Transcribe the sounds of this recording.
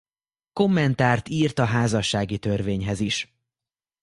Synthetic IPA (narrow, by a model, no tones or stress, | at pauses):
ko̞mːɛnt̪aːrt̪iːrt̪ɒɦaːzɒʃːaːɡit̪ørveːɲɦɛziʃ